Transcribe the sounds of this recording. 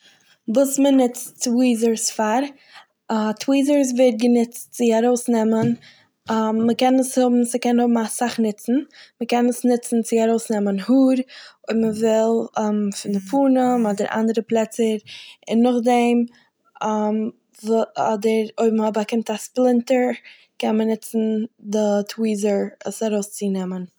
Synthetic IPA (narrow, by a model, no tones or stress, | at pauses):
vuːsmənɪt͡st͡swiːzəɾsfaɾ | tʰwiːzəɾs̬vɛɪt̚ɡənɪt͡st͡sɪaɾoʊsnɛmən | əkɛnəshʊbm̩səkɛnhʊbm̩asaχnɪt͡sn̩məkɛnəsnɪt͡sn̩t͡sɪaɾoʊsnɛmənhuːɾoɪməvɪlˠːmfɪndɪpʰuːnəmɔdəɾʔa̰ndəɾəplˠɛt͡səɾɪnːʊχdɛm | m | vɔdəɾoɪbməhɔbakɪmtasplˠɪntəɹ | kɛnmənɪt͡sn̩dɪtʰwiːzəɹəsaɾoʊst͡sinɛmən